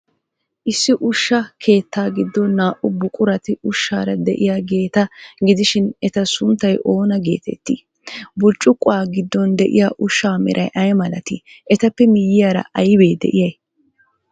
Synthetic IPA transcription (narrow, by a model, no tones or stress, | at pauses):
ʔɪsːɪʔʊʃːɐkʰe̞ːt̪ːaːɡɪd̪ːɔnːaːʔʊbʊkʼʊɾɐt̪ɪʊʃːa̰ːɾɐd̪ɛʔɪjaːɡe̞ːt̪ɐɡɪd̪ɪʃɪnɛt̪ɐsʊnt̪ːɐjʔo̞ːnɐɡe̞ːt̪ɛ̰t̪ːḭ | bʊt͡ʃʼːʊkʼːʊaːɡɪd̪ːɔnd̪ɛʔɪ̰jaːʔʊʃːaːmɪ̰ɾʔɐ̰jʔɐjmɐlɐt̪ɪ | ʔɛt̪ɐpːɛmɪjːɪjaːɾɐ̰ʔɐjbe̞ːd̪ɛ̰ʔɪjɐj